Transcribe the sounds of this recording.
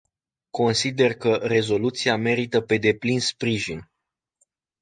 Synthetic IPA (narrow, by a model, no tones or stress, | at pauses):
ko̞nsid̪e̞rkəre̞zo̞lut̪siame̞ɾit̪əpe̞d̪e̞plinspɾiʒin